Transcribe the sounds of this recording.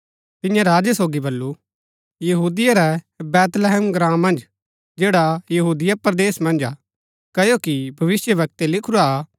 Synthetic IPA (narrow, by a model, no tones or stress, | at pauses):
t̪ɪ̃jãɾaːd͡ʒesoːɡibɐlːu | jɐɦuːd̪ɪjaɾɛ | bɛːt̪lɛɦɛːmɡɾãːmːɐ̃nd͡ʒ | d͡ʒeːɽajɐɦuːd̪ɪjapɐɾd̪eːsmɐ̃nd͡ʒa | kɐjokibʱɐʋɪsjəbɐk̚t̪elɪkʰʊɾa